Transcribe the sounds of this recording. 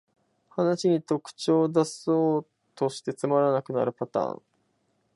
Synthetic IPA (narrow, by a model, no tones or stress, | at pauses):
hanaɕiɲ̟it̪o̞kɯ̟̥t͡ɕo̞ːd̪asoː | t̪o̞ɕi̥t̪e̞t͡sɨmaɾanakɯ̟na̰ɾɯ̟pat̪ã̰ːŋ